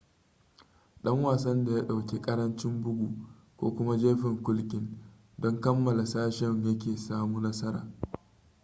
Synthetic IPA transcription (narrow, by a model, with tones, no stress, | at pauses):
ɗɐ˦ŋwaː˨sɐ˦nda˨ja˦ɗa˨wkʲe˦kʼɐ˦ɾɐ˦nt͡ʃɪ˦mbʊ˦ɡʷu˨ʔ | kʷo̰ː˦kʷʊ˦ma˦d͡ʒeː˦ɸɪ˨ŋkʷʊ˦lkʲʼɪ˦n | dɔ˦ŋkɐ˦mːɐ˨la˨saː˦ʃɛ˦ŋjɐ˦k̬ʲeː˨saː˦muː˦nɐ˦sɐ˦ɾa̰ː˨